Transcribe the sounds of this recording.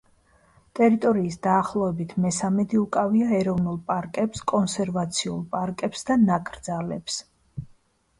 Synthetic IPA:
t̪ʼɛɾit̪ʼɔɾiːsd̪aːχlˠɔɛbit̪ʰmɛsamɛd̪iukʼaviaɛɾɔvnulˠpʼaɾkʼɛpskʼɔnsɛɾvat̪sʰiṵlˠpʼaɾkʼɛpsd̪anakʼɾd̪zalɛps

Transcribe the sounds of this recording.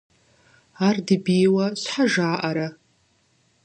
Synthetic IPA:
ardɨbijwaʃʷħaʐaːʔaɾa

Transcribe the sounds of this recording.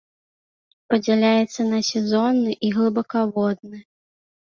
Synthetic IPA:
pɐd͡zʲɛlʲajɛt̪sːɐnɐsʲɛzɔnːɨʔiɣlˠɨbɐkavɔd̪̚nɨ

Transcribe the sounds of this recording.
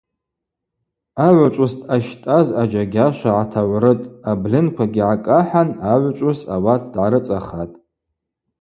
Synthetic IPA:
aʕʷat͡ʃʷʼʊstʰaʃtʼazad͡ʒaɡʲaʃʷaʕatʰaʕʷrɨtʼablɨnkʷʰaɡʲiʕakʼaħanaʕʷt͡ʃʷʼʊsa̰wat̚ʰdʕaɾɨt͡sʼaχatʼ

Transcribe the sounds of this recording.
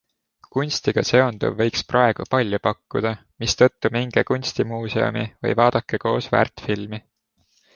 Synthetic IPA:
kunʲst̪iɡ̥ɑse̞o̞nd̪̥ṵvːɤ̞jksprɑe̞ɡ̥upɑlʲːjupɑkːud̪̥ɑ | mist̪ɤ̞t̪ːumiŋɡ̥ekunʲst̪imuːse̞o̰mḭvɤ̰jvɑːd̪̥ɑkːˑeko̞ːsvæ̰rt̪filmi

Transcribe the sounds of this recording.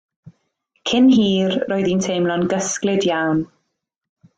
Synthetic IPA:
kʰɪnɦiːrroːɨðintʰejmlˠɔnɡəsklɪdjawn

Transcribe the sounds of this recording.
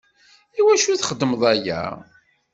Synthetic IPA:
iwæʃuθχəd̪ːəmðˤæjæ̰

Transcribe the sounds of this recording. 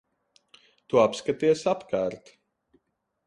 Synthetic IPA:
t̪uapskat̪iɛsapkaːɾt̪

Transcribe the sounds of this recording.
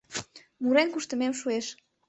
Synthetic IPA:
muɾeŋkuʃt̪əmemʃueʃ

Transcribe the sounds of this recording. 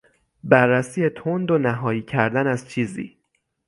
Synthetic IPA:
bærːæsiːjet̪ʰond̪onæɦɒːjiːcʰæɾd̪ænæzt͡ʃʰiːzḭː

